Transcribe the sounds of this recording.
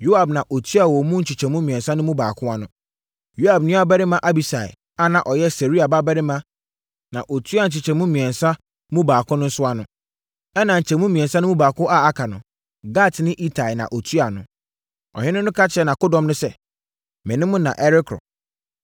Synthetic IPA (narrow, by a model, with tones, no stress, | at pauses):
jo˦a˨bnã˨ʔo˨tʰu˦a˨wɔ˨mʊ̃˦n̩˦t͡ɕʰi˨t͡ɕʰɛ˨mũ˦mĩ˨ɛ̃˨nsã˦nʊ̃˦mũ˦baː˨kʰʊ̃˦a˦nʊ̃˦ | jo˦a˨bnɪ̃˦a˦bɛ˦ɾɪ˦mã˦ʔa˦bi˨sa˨ɪ̰˨ | a˦nã˨ʔɔ˨jɛ˦se˨ɾi˦a˨ba˦bɛ˦ɾɪ˦mã˦ | nã˨ʔo˨tʰu˦a˨n̩˨t͡ɕʰɪ˨t͡ɕʰɛ˨mũ˦mĩ˨ɛ̃˨nsã˦ | mũ˦baː˨kʰʊ̃˦nʊ̃˦n̩˦sʊ˦a˦nʊ̰̃˦ | ɛ˦nã˨ɲ̩˨t͡ɕʰɛ˨mũ˦mĩ˨ɛ̃˨n˨sã˦nʊ̃˦mũ˦baː˨kʰʊ˦ʔa˦˨a˦kʰa˨nʊ̃˨ | ɡa˦˨tnɪ̃˦ʔi˦tʰa˨i˨nã̰˨ʔo˨tʰu˦a˨nʊ̰̃˨ | ɔ̰˨hɪ̃˦nʊ̃˦nʊ̃˦kʰa˦t͡ɕʰɪ˦ɛ˦nã˨kʊ˦dɔ̃˨mnʊ̃˦sɛ˦ | mɪ̃˨nɪ̃˦mʊ̃˦nã̰˨ʔɛ˦ɾɪ˦kʰɾɔ̰˨